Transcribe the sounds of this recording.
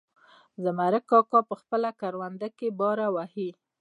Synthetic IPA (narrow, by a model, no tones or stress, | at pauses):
zəmaɾəkːɑkɑpəxpəlakaɾwand̪akebɑɾawahi